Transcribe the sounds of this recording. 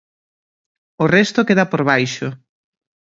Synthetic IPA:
ʊrest̪okeðapoɾβajʃʊ

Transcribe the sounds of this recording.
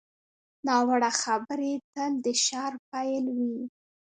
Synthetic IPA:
nɑwaɽaxabəɾet̪əld̪əʃɑɾp̚ajlwi

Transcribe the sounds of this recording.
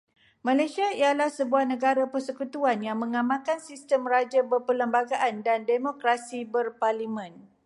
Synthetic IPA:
mãlajsiaijalahsəbuahnə̃ɡaɾapərsəkut̪uanjaŋmə̃ŋãmãkansist̪əmrad͡ʒabərpələmbaɡaʔandandemõkɾasibərparlimə̃n

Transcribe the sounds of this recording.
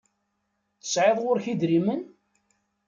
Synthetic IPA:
θə̥sʕeðˤʁʊɾçid̪ɾimən

